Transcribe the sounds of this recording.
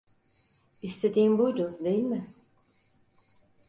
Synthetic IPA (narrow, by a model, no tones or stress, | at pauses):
ist̪ʰed̪iːmbujd̪ʊd̪ejilʲmɪ